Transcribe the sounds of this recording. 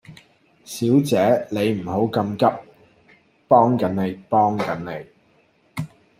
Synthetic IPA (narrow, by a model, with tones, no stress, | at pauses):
siː˨˥wt͡sɛː˨˥nle˨˧jm̩˨˩ɦo˨˥wkɐ˧mkɐ˥p̚ | pɔː˥ŋkɐ˨˥nne˨˧jpɔː˥ŋkɐ˨˥ne˨j